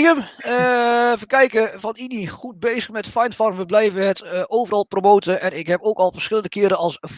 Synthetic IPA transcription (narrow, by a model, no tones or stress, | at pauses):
əm | fəkɛjkəfɔniniχut̚beːzəxmɛtfajntfɔrmʋəblɛjvəɦətowvərɑlˠpromoːtəʔɛnɪkɦɛpoːkɔlˠfərsχxɪlˠəndəkɪəɾəɑlˠs